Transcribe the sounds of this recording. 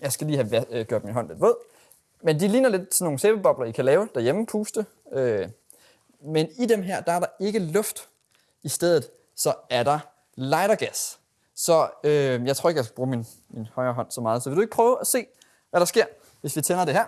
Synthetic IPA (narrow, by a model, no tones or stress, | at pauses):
jɑ̈ɪsɡ̥æliːhæʋæɡ̥joɐ̥minɦɒ̽nʋed̥ʋɔð̰ˠ | mend̥ilḭːnɐle̝d̥̚t͡sʰe̝no̝ːŋ̩seːb̥əb̥ɒ̽b̥lɐikʰælɛːʊd̥ɑɐjeməpʰuːsd̥ə | ø | menid̥emɦæɐ̰d̥ɑ̈æɐɾɑ̈e̝ɡ̥əlɔ̽fd̥ | isd̥eð̞̰ˠð̩ˠ | sɒ̽æɐɾ̥ɑ̈ | lɑ̈ɪɾɐɡ̥æs | sɒ̽øjɑɪo̰ɐe̝ɡjaɪsɡ̥æbʁuːmin | minhɒ̽ɪɐːɦɒ̽n̰sɒ̽mɑ̈ːð̞̩ˠsɒʋe̝ldue̝ɡ̥ə̥pʰʁœːʊæse̝̰ː | ʋæɾ̥ɑ̈sɡ̥e̝ɐ̰ | ʋe̝sʋit͡sʰenɐd̥e̝ɦæɐ̰